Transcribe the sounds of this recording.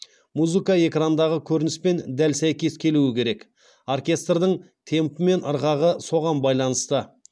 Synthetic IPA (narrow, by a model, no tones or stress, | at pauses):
muzɨkɑe̞krand̪ɑʁəkʲʰɵɾɪnɪspe̞nd̪ælsæjkʲe̞skʲʰe̞luɪkʲe̞ɾe̞k | orkʲe̞st̪rd̪əɴ | t̪ʰe̞mpɪme̞nəɾʁɑʁəso̞ʁɑnbɑjlˠɑnəst̪ə